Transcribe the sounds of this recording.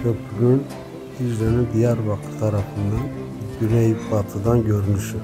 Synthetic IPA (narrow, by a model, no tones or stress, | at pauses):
cʰøpʰyɡyn | izɾenind̪ijæɾbɑkt̪ʰɯ̥t̪ʰɑɾɑfɯnd̪ɑn | ɟyɾɛjbɑt̪ʰɯd̪ɑnɟøɾynyʃy